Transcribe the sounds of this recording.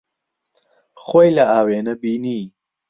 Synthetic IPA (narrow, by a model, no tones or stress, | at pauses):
xojlaaːweːnɐbini